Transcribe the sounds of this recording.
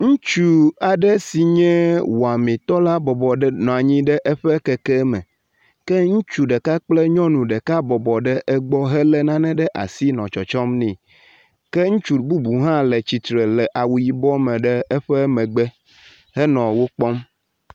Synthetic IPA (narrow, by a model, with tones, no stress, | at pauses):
ŋũ˦t͡ʃu˦a˨ɖɛ˦si˨ɲɛ̃˦wo˨a˨mĩ˨t̪ɔ˦la˦bɔ˨bɔ˨ɖnɔ̃˨a˨ɲĩ˦ɖɛ˦ʔɛ˦ɸɛ˦kɛ˨kɛ˦mɛ̰̃˨ | kɛ˦ŋũ˦t͡ʃu˨ɖɛ˨ka˦k͡plɛ˦ɲɔ̃˦nũ˨ɖɛ˨ka˦bɔ˨bɔ˨ɖɛ˦ʔɛ˦ɡ͡bɔ˦ɦɛ˦lɛ˦nã˦nɛ̃˦ɖɛ˦ʔa̰˨si˦nɔ̃˨t͡ʃɔ˨t͡ʃɔ˦mnĩ˨ | kɛ˦ŋũ˦t͡ʃu˨bu˦bu˨ɦã˦lɛ˨t͡ɕi˨t̪ɾe˨lɛ˨ʔa˨wu˨ji˨bɔ˦mɛ̃˨ɖɛ˦ɛ˦ɸɛ˦mɛ̃˨ɡ͡bɛ˦ | hɛ˦nɔ̃˨wo˦k͡pɔ˦m